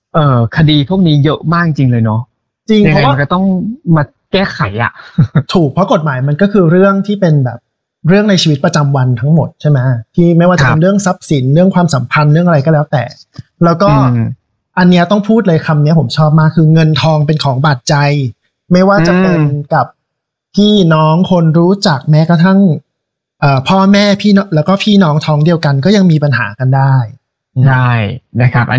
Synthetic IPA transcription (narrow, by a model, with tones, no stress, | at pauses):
ʔɤː˧˩kʰa˧diː˧t̪ʰu˥˩əŋ̚niː˦˥jɤ˦˥ʔmaː˥˩kt͡ɕi˧ŋlɤː˧jnɔ˦˥ | t͡ɕi˧ŋ˧˩pʰwa˥˧nkɔ˧˩t̪ɔ˥˩ŋmaː˧ | kɛː˥˩kʰa˨˩˦jʔa̰˨˩ʔt̪ʰuː˨˩k̚pʰɾɔ˦˥ko˨˩t̪̚maː˩˦jma˧nkɔː˥˩kʰɯː˧ɾɯ˥˩əŋt̪ʰiː˥˩pe˧nbɛ̰ː˨˩p̚ | ɾɯ˥˩əŋna˧jt͡ɕʰiː˧wi˦˥t̪̚pɾa˧t͡ɕa˧mwa˧nt̪ʰa˦˥ŋmo˨˩t̪̚t͡ɕʰa˥˩jma˦˥t̪ʰiː˥˩ma˥˩jwaː˥˩t͡ɕa˨˩pe˧nɾɯ˥˩əŋsa˦˥p̚si˨˩˦nɾɯ˥˩əŋkwaː˧msa˩˦mpʰa˧nɾɯ˥˩əŋʔɾa˧jkɔː˥˩lɛː˦˥wt̪ɛ̰ː˨˩ | lɛː˦˥wkɔː˥˩ | ʔa˧nːi˦˥ɐ˧t̪ɔ˥˩ŋpʰuː˥˩t̪̚lɤː˧jkʰa˧mni˦˥ɐpʰo˩˦mt͡ɕʰɔː˥˩p̚maː˥˩kʰːɯː˧ŋɤ˧nt̪ʰɔː˧ŋpe˧nkʰɔː˩˦ŋbaː˨˩t̪̚t͡ɕa˧j | ma˥˩jwaː˥˩t͡ɕa˨˧˩pe˧nka˨˩p̚ | pʰːiː˥˩nɔː˦˥ŋkʰo˧nɾuː˦˥t͡ɕa˨˩k̚mɛː˦˥ka˧t̪ʰa˥˩ŋ | ʔɤː˨˩pʰɔː˥˩mɛː˥˩pʰiː˥˩˥lɛː˦˥wkɔː˥˩pʰiː˥˩nɔː˦˥ŋt̪ʰɔː˦˧ŋdi˧əwka˧nkɔː˥˩ja˧ŋmiː˧pa˧nɦa̰ː˩˦ka˧ndaː˥˩j | a˥˩jna˦˥kʰa˦˥p̚ʔa˧